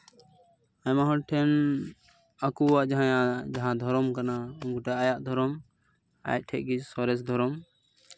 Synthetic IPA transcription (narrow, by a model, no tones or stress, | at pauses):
ajmaɦɔʈʰɛn | akuwaʔd͡ʒaɦãjad͡ʒaɦãd̪ʱɔɾɔmkanauŋɡuʈɛʔajaʔd̪ʱɔɾɔm | a̰ja̰c̚ˀʈʰɛʔ̚ɡid͡ʒsɔɾɛs̬d̪ʱɔɾɔm